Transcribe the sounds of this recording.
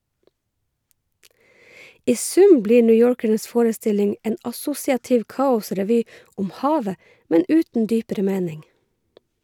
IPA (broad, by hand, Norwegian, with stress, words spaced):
ˈʔiː ˈsʉm ˈbliː ˌɳʏˈjoːɹkəɳəs ˈfoːɹəˌstɪlɪŋ ˈʔeːn ʔɑˈsʊsɪɑtɪʋ ˈkɑːʊsɾɛˌʋyː ˈʔʊm ˈhɑːʋə ˈmɛn ˈʉːtn̩ ˈdyːpəɾə ˈmeːnɪŋ